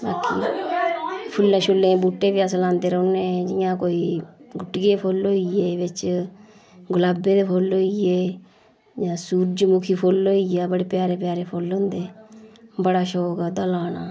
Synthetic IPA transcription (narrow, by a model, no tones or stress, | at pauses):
baːkḭː | pʰʊlːẽːʃʊlːẽːbuːʈːeːbiːasəlãːnd̪eːɾəʊnẽːd͡ʒɪjãːkoːiːɡʊʈːɡeːpʰoːlɦoːieːʋɪt͡ʃ | ɡʊlaːbeːd̪eːpʰoːloːieː | d͡ʒãːsuːɾd͡ʒmʊkʰiːpʰoːloːijaːbəɽeːpjaːɾeːpjaːɾeːpʰoːlɦʊ̃ːnd̪eː | bəɽaːʃoːkad̪əlaːnaː